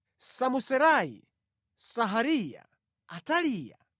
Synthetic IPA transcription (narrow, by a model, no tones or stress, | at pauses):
samusɛɾaḭ | saɦaɾija̰ | atalija̰